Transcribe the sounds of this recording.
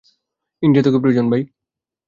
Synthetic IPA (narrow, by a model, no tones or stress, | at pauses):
iɳɖijat̪okep̬ɾoud͡ʑonbaj